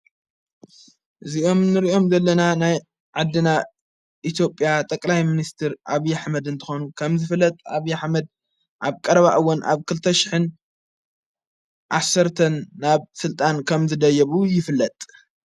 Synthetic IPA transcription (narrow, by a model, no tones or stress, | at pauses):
ʔɨziʔo̞mnɨɾiʔo̞mzɐlːɐnanaj | ʕad̪ːɨna | ʔit̪ʰjo̞pʼjat̪ʼɐkʼlajminist̪ʰɨɾʔaβijaħmɐd̪ɨnt̪ʰɨ̥xonukʰɐmzɨfɨlːɐt̪ʼaβijaħmɐd̪̚ | ʔaβkʼɐɾɐβaʔɨwːʊna̰βkʰɨlt̪ʰɐʃɪ̥ħɨn | ʔasɐɾt̪ʰɐnːaβsɨlt̪ʼankʰɐmzɨd̪ɐjːɐβujɪfɨlːɐt̪ʼ